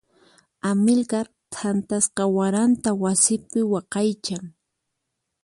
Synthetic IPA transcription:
amɪlkaɾ | t̪ʰant̪asqɑwaɾant̪awasɪpɪwɑqɑjt͡ʃaŋ

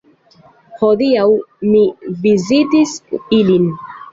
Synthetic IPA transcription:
hodiawmivizitisilin

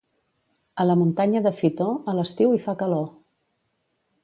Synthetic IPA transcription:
ələmunt̪aɲəðəfit̪oələst̪iwifakəlo

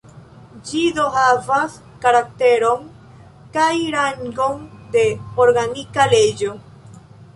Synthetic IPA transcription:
d͡ʒidohavas | kaɾak̚t̪eɾo̞ŋ | kajɾaŋɡond̪e̞oɾɡanikaled͡ʒo

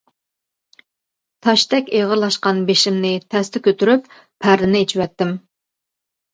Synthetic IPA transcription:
t̪ʰɑʃt̪ɛkʲeʁəɾlˠɑʃqɑnbeʃimnɪt̪ʰɛst̪ɛkʲøt̪yɾypːʰ | æɾlɪnɪet͡ʃʰiwɛt̪ːɪm

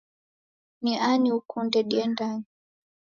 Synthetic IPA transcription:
niʔaniukundɛɗiɛndani

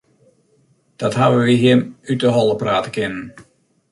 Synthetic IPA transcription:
d̥ɔthaʋəʋiɦiəmytəɦɔlˠəpraːtəkɪnən

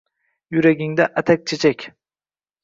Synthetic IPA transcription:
jʊɾaɡʲɪŋd̪aʔat̪ʰak̚ʲt͡ʃʰet͡ʃʰakʲ

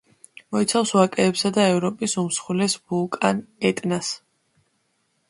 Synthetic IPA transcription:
mɔit̪sʰafswakʼɛːpsad̪aɛvɾɔpʼisumsχulɛsbulˠkʼanɛt̪ʼnas

